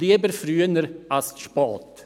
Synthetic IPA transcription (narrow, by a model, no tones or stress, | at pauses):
liəbəɾfɾyːənəɾʔalsʃpɔːt̪